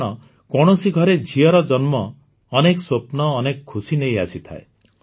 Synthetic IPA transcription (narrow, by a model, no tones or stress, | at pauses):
ɽ̃ɔ | kɔɽ̃ɔsiɡʱɔɾed͡ʒʱiɔɾɔd͡ʒɔnmɔː | nekɔsopnɔːnekɔkʰːusinejasit̪ʰa̰e